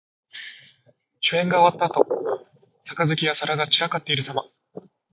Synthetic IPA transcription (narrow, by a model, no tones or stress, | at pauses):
ɕoẽ̞ŋɡaoat̪ːaːt̪o̞ | sakazɨkʲijasaɾaɡat͡ɕiɾakat̪ːe̞iɾɯ̟sama